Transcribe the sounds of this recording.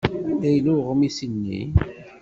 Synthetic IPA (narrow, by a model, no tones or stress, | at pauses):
æjluʁmisinːḭ